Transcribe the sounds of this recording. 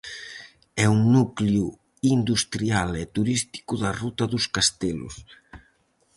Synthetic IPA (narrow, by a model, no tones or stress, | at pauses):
ɛuŋnukliu | ind̪ust̪ɾialɛt̪uɾist̪i̥kuðɐrut̪ɐðʊskast̪elʊ̰s